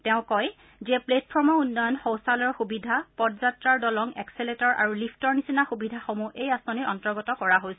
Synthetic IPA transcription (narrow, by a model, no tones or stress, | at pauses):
tɛʊ̃kɔj | ziɛpletpʰɔɹmɔunːɔjɔnxowsalɔɹxubidʱapɔdzatɹaɹdɔlɔŋɛkseletɔɹʔa̰ɹulipʰtɔɹnisinaxubidʱaxomuʔejasɔniɹʔɔntɔɹɡɔtɔkɔɹaɦojsɛ